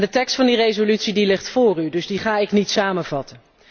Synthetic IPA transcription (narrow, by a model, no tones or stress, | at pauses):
ndətɛkstfɑndirejzolytsidilɪχtfʊːrydɵzdiχaːɪknitsaːmənvɑtən